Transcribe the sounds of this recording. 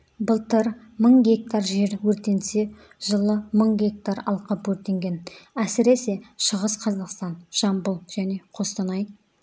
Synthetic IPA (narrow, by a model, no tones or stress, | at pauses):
bəlˠt̪əɾ | məɴɡʲe̞k̚t̪aɾʒe̞ɾwɵɾt̪e̞nse̞ | ʒ̥əlˠəməɴɡʲe̞k̚t̪aɾɑ̰lˠqəpwɵɾt̪e̞ŋɡʲe̞næsɪɾe̞se̞ʃəʁəsqʰɑzɑqst̪ɑnʒ̥ɑmbəlˠʒ̥æne̞qʰo̞st̪ɑnɑj